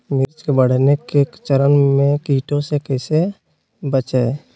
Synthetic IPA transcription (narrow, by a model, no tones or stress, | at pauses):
mɪɾt͡ʃkebəɽ̤nekekt͡ʃəɾənmẽkiːʈʰõsekɛːse | bət͡ʃe